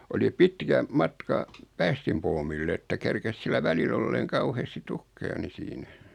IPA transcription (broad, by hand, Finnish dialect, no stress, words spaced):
oli pitkæ mɑtkɑ pæːstimpoːmilː etːæ kerkes silːæ ʋælil olːeːŋ kɑuheːsti tukːejɑ ni siːnæ